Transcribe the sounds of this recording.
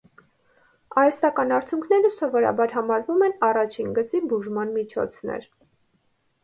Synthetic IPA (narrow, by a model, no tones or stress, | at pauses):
ɑɾɛst̪ɑkɑnɑɾt͡sʰjuŋkʰnɛɾəsɔvɔɾɑ̰bɑɾɦɑmɑɾvumɛnɑrɑt͡ʃʰinɡət͡sibuʒmɑnmit͡ʃʰɔ̰t͡sʰnɛ̰ɾ